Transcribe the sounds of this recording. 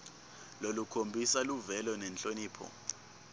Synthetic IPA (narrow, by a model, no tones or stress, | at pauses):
lolukʰombʱisaluvɛlɔnɛnt͡ɬʼoniːpʰɔ̰